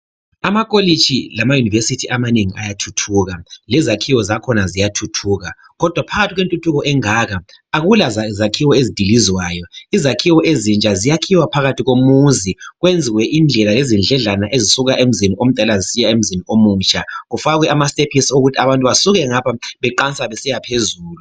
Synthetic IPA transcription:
amakʼolit͡ʃʰilamajunivesitʰiʔamaneŋiʔa̰jatʰutʰuːɣalɛzakʰiwɔzakʰɔnazijatʰutʰuːɣa | ɣɔd̥ʱwapʰaɣatʰiɣwentʼutʰuɣɔʔɛŋaːɣa | aɣulazazakʰiwɔezid̥ʱilizwajɔizakʰiwɔʔezint͡ʃʼazijakʰiwapʰaɣatʰiɣomuziɣwend͡zʱiɣwɛʔind͡ɮʱɛlalezind͡ɮʱɛɮanaʔezisuɣaʔem̩ziniom̩tʼalazisijaem̩ziniomuːt͡ʃʼaɣufaɣwɛamastepʰisioɣutʰaβantʼuβasuɣɛŋapʰaβɛǃant͡sʼaβɛsɛjapʰezuːlu

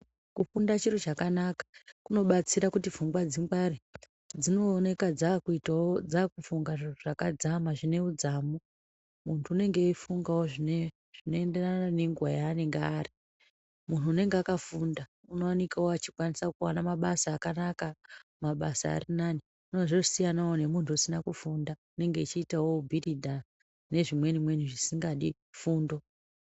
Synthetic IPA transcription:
kufundat͡ʃirut͡ʃakanakḁkuno̞ɓat͡siɾakutivuŋɡwad͡ziŋɡwari | d͡zino̞ːne̞kad͡zakuitaod͡zakufuŋɡaʐiʐ̥akad͡zamaʐine̞ud͡zaːmu | muntʰuːne̞ŋɡe̞ifuŋɡawoʐine | ʐ̥ino̞e̞nde̞ranane̞ŋɡuwajaːne̞ŋɡari | mun̤uːne̞ŋɡeakafunda | uno̞wanikawoat͡ʃikwanisakuwanamaɓasaːkanakamaɓasa̰ːrinani | uno̞ʐosijanawone̞muntʰuːsinakufundaune̞ŋɡeit͡ʃiːtawobʱiridʱa | ne̞ʐimwe̞nimwe̞niʐisiŋɡaɗi | fuːndo̞

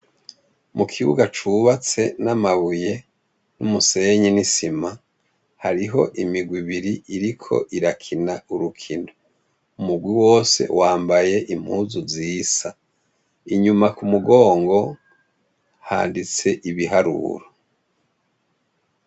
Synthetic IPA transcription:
mukʰiβuɡat͡ʃuβat͡se̞namaβuje̞ | numuse̞ɲinisima | haɾiɦo̞ʔimiɡwiβiɾiiɾikʰo̞̰ʔiɾakʰinauɾukʰino | umuɡwiwo̞ːse̞̰waːmbaje̞ʔim̥huːzuziːsa | iɲumakumuɡo̞ːŋɡo̞ | ha̰ːndit͡se̞ʔiβiɦaɾṵɾo

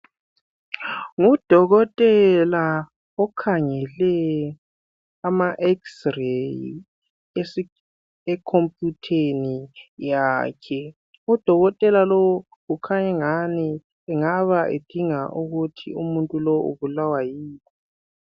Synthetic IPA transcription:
ŋud̥ʱɔɣɔtʼɛla | ɔkʰaŋɛlɛ | amaʔɛksrej | ekʰompʼjutʰenijaːkʰɛ | ud̥ʱɔɣɔtʼɛlalow | ukʰaɲɛŋani | ɛŋaβaʔḛd̥ʱiŋaʔuɣutʰḭumuntʼulɔṵβulawajiːni

